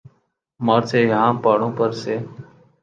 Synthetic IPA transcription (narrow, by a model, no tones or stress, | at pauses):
maːɾseːɦãːpaːɽõːpəɾseː